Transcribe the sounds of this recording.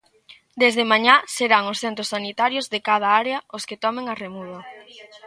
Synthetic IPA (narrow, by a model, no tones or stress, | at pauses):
d̪ezðemaɲaseɾaŋʊsθent̪ɾʊsanit̪aɾjozðekað̞ɐaɾeɐʊskɪt̪ɔmeŋɐremuðo